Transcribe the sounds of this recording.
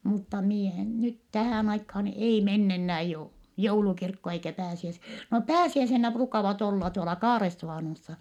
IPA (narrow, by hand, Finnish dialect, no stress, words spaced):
mutːɑ mie en nyt tæhæˑn ɑikhɑːn ei menː enːæː jou joulukirkːo eikæ pæːsiæs no pæːsiæisenːæ pruːkɑʋɑt olːɑ tuolɑ kɑːresːuʋɑˑnosːɑ